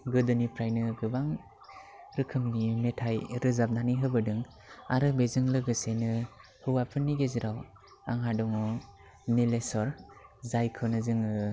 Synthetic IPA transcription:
ɡɯdɯnipʰɾajnɯɡɯbaŋ | ɾɯkʰɯmnimetʰajɾɯzap̚naniɦɯbɯdɯŋ | aɾɯbezɯŋlɯɡɯsejnɯ | hɯwapʰɯnːiɡeziɾaw | a̰ŋɦadɔŋɔ | nilesɔɾzajkʰɯwnɯzɯŋɯ

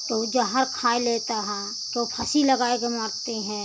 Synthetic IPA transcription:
t̪od͡ʒəɦəɾkʰaːeleːt̪aɦɛ̃ | t̪opʰɐsiləɡaːekemaːɾt̪eɦɛ̃ː

